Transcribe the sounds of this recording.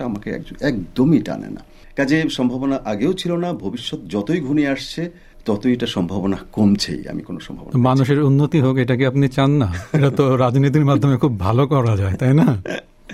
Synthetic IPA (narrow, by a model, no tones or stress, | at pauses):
aamakeɛ̰koɛkd̪omiʈa̰nḛna̰ | kad͡ʑeʃɔmbʱabonaʔaɡeot͡ɕʰilonabʱobiʃːot̪d͡ʑɔt̪ojɡʱuniaʃt͡ɕʰe | t̪ɔt̪ojeʈaʃɔmbʱabonakomt͡ɕʰḛja̰mḭkono̰ʃɔmbʱabo̰nmanuʃeɾunːot̪iɦokeʈakiapnit͡ɕanːaeʈat̪oɾad͡ʑnit̪̬iɾmad̪ʱːomekʰubʱalokɔɾad͡ʑaet̪ajna